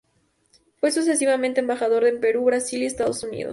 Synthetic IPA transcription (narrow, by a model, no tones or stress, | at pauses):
fwe̞sus̬e̞s̬iβamẽnt̪embaxað̞o̞ɾðempe̞ɾuβɾasiliest̪aðosunḭð̞o̰s